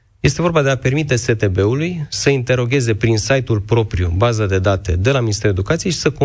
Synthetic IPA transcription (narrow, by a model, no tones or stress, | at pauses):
je̞st̪e̞vo̞rbad̪e̞ape̞rmit̪e̞se̞t̪e̞be̞ulujsəint̪e̞ɾo̞ɡʲe̞ze̞pɾinsajt̪ulpɾo̞pɾijṵbazəd̪e̞d̪at̪e̞d̪e̞laminist̪e̞ɾue̞d̪ukat̪sijeʃi̥səko